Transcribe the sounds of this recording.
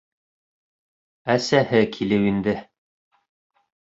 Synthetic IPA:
æsæhɘkʰilɘwind̪ɘ

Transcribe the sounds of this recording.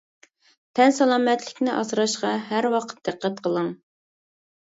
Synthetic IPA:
t̪ʰɛnsɑlˠɑːmɛt̪lɪkʲnɪʔɑ̰sɾɑʃqɑɦæɾwɑqʰə̥t̪̚d̪ɨqʰːɛt̪̚qʰəlˠəŋ

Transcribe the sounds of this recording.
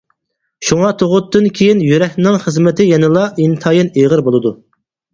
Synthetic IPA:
ʃuŋɑt̪ʰoʁʊt̪ʰːɨnkʲʰejinjyɾɛhʲnɪŋχəzmɪt̪ʰɪjɛnɪlˠɑʔint̪ʰɑːjineʁəɾbolˠɨd̪u

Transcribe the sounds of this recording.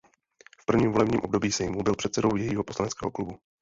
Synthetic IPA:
fpr̩vɲiːmvo̞lɛbɲiːmʔo̞b̚do̞biːsɛjmubɪlpr̥ɛt̪sɛdo̞wjɛjiːɦopo̞slanɛt͡skɛːɦo̞klubu

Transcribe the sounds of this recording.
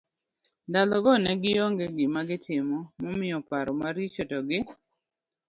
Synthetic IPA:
ndalɔɡɔnɛɡɪjoŋɡeɡɪmaɡɪtʰɪmɔmɔmɪjɔpaɾɔmaɾit͡ʃɔtɔɡɪ

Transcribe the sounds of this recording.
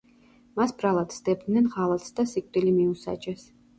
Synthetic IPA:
masbɾalˠat̪sd̪ɛb̚d̪nɛnʁalˠat̪sd̪asik̚ʼt̪ʼilimiusa̰t͡ʃʼɛs

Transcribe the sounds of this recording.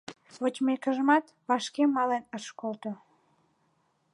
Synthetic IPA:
βot͡ɕʲmekəʒəmɑt̪ | βɑʃkemɑlenəʃkolt̪o

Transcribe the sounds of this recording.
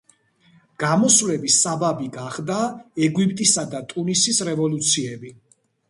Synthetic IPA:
ɡ̥amɔsvlɛbisababiɡaχd̪aɛɡwipʼt̪ʼisad̪at̪ʼunisisɾɛvɔlut̪sʰiɛbi

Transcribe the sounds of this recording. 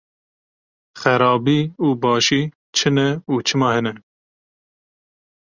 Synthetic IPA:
xɛɾɑːbiːuːbɑːʃiː | t͡ʃʰɨnɛuːt͡ʃʰɨmɑːhɛnɛ

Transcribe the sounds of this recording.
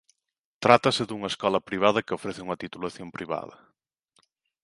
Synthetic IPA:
t̪ɾat̪ɐsɪðuŋɐeskɔlɐpɾiβ̞að̞ɐkɪofɾeθɪuŋɐt̪it̪ulaθjompɾiβa̰ð̞ɐ̰

